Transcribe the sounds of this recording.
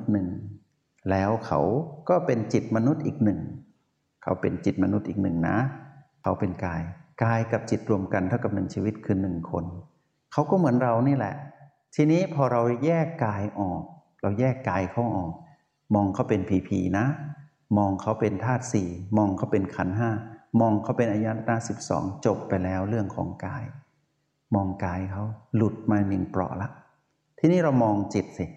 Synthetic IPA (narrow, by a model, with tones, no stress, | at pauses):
nɯ˨˩ŋ | lɛː˦˥wkʰa̰˦˥wkɔː˥˩pe˧nt͡ɕi˨˩t̪̚ma˧nu˦˥t̪̚ʔiː˨˩k̚nɯ˨˩ŋ | kʰa̰˦˥wpe˧nt͡ɕi˨˩t̪̚ma˧nu˦˥t̪̚ʔiː˨˩k̚nɯ˨˩ŋna̰˦˥kʰa˦˥wpe˧nkaː˧jkaː˧jka˨˩p̚t͡ɕi˨˩t̪̚ɾu˧əmka˧nt̪ʰa˥˩wka˨˩p̚nɯ˨˩˦ŋt͡ɕiː˧wi˦˥t̪̚kʰɯː˧nɯ˨˩ŋkʰo̰˧n | kʰa˦˥wkɔː˥˩mɯ˩˦ənɾa˧wniː˥˩lɛ̰˨˩ʔ | t̪ʰiː˧niː˦˥pʰɔː˧ɾa˧wjɛː˥˩kːaː˧jʔɔː˨˩k̚ | ɾa˧wjɛː˥˩kːaː˧jkʰa˦˥wʔɔː˨˩k̚ | mɔː˧ŋkʰa˦˥˩wpe˧npʰiː˧pʰḭː˧na˦˥ | mɔː˧ŋkʰa˦˥wpe˧nt̪ʰaː˥˩t̪̚siː˨˩mɔː˧ŋkʰa˦˥˩wpe˧nkʰa˩˦nɦaː˥˩mɔː˧ŋkʰa˦˥wpe˧nʔaː˧ja˦˥˩naː˦˧˥si˨˩p̚sɔ̰ː˩˦ŋt͡ɕo˨˩pːa˧jlɛː˦˥wɾɯ˥˩əŋkʰɔ̰ː˩˦ŋkaː˧j | mɔː˧ŋkaː˧jkʰa˦˥wlu˨˩t̪̚maː˧ni˨˩ŋplɔ̰˨˩ʔla˦˥ʔ | t̪ʰiː˧niː˥˩ɾa˧wmɔː˧ŋt͡ɕe˨˩t̪̚si˨˩